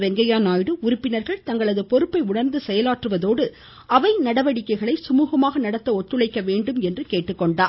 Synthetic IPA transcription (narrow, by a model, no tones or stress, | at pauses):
ʋɛŋɡɐjaːnaːjɽɯʊɾʊpːɪnɐɾɣɐɭt̪ɐŋɡɐɭɐðɯpɔɾɯpːɐɪʊɳɐɾnd̪ɯsɛjɐlaːʈrɯʋɐðoːɽɯ | ɐʋɐɪnɐɽɐʋɐɽɪkːɐɪɣɐɭɐɪsʊmuːɣɐmaːɣɐnɐɽɐt̪ːɐɔt̪ːɯɭɐɪkːɐʋeːɳɖɯmɛndrɯkeːʈːɯkːɔɳɖaː